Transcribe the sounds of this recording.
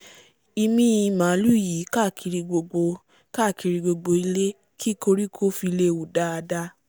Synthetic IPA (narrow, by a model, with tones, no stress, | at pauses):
i˧mĩ˦i˧mã˨˦lu˦˨ji˨˦ka˦˨kʰi˨˧ɾi˧ɡ͡bo˧ɡ͡bo˧ | ka˦˨ki˧ɾi˧ɡ͡bo˧ɡ͡bo˧i˧le˦ | kʰi˦ko˧ɾi˦kʰo˦fi˧le˦u˨da˦a˧da˦